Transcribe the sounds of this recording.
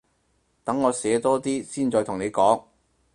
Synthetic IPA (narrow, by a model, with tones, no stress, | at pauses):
t̪ɐ˨˥ŋːɔː˨˧sɛː˨˧t̪ɔː˥t̪iː˥siː˥˩nt͡sɔː˧jt̪ʰʊ˨˩ŋne˨˧jkɔː˨˥ŋ